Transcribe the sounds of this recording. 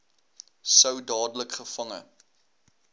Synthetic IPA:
səwdɑːdələkχəfɐŋə̰

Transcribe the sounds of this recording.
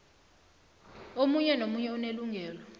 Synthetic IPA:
omuɲɛnomuɲɛuneluŋʱɛːlɔ

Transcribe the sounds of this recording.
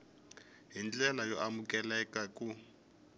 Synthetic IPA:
ɦint͡ɬɛlajɔʔamukʼɛlɛkakʼu

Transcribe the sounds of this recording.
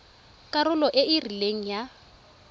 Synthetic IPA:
kʼaɾʊlɔʔɪɪrileŋ̩ja

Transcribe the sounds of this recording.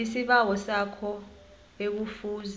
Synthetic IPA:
isiɓawɔsakʰɔ | ek̬ufuːz

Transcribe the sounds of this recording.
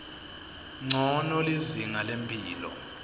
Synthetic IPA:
ŋ͡ǀʱɔnɔliziŋalempʰʼiːlɔ̰

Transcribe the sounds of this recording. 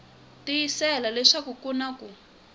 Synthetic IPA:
tijisɛlalɛʂakukunaku

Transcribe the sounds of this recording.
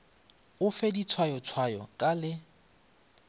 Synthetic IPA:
ʊfɛdit͡sʰwajɔt͡sʰwajɔ̰kʼalɪ

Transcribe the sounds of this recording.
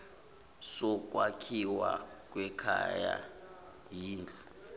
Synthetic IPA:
sɔk̬wakʰiwak̬ʼwɛkʰa̰ja̰ | jiːnd͡ɮʱu

